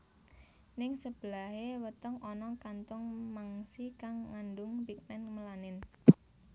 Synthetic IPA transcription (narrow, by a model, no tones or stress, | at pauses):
nɪŋsəb̥əlahewət̪əŋʔɔnɔkant̪ʊŋmaŋsikaŋːandʊŋbik̚mɛnməlanɪn